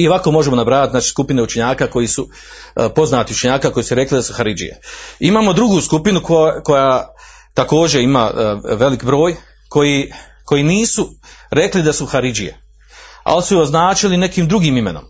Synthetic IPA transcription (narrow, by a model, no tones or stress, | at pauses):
io̞ʋako̞ːmo̞ʒemo̞nabɾaːjt̪zaːt͡ʃi̥ːskupine̞ut͡ʃe̞ɲaːkaːko̞jiːsu | po̞znaːt̪iut͡ʃe̞ɲaːkaːko̞jiːsuɾe̞klid̪asuxaɾid͡ʒḭjḛimaːmo̞d̪ɾuɡuːskupinukoko̞jaː | t̪ako̞ːd͡ʑe̞imaːʋe̞likbɾo̞ːj | kʰo̞ji | ko̞jiːniːsuɾe̞klid̪asuxaɾid͡ʒije̞̰ | a̰lisujoznaːt͡ʃiline̞kiːmd̪ɾuɡiːmime̞no̞̰m